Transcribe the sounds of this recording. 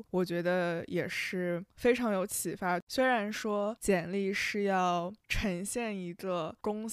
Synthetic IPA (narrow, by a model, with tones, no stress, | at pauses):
wɔ˨˩t͡ɕɥɛ˧˥d̪ə˧jɛ˨˩ʂɻ̩˥˩fe˥ɪʈ͡ʂʰɑ˧˥ŋjo˧˥ʊt͡ɕʰi˨˩fa˥swe˥ɪɻa˧˥nʂwɔ˥t͡ɕjɛ˨˩nli˥˧ʂɻ̩˥˧jɑ˥˩ʊʈ͡ʂʰə˧˥ŋɕjɛ˥˩ni˧˥ɡə˧kʊ˥ŋ